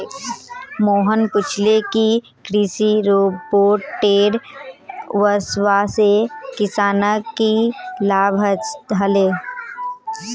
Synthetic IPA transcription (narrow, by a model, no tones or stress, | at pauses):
moːɦənpʊt͡ʃʰleki | kɾisiɾoːboːʈeːɾ | ʋəswasekɪsaːnakilaːbʱət͡ʃd̪ʱəleː